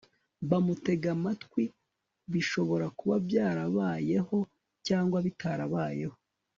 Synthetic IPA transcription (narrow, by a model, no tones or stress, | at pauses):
βamute̞ɡamatkwi | βiʃo̞βo̞ɾakuβavjaːɾaβaːje̞ho̞ | caːŋɡwaβitaɾaβaːje̞ho̞